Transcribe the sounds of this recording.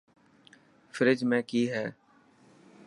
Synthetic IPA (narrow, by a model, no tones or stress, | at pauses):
fʰɪɾɪd͡ʒmɛ̃ːkiːɦɛː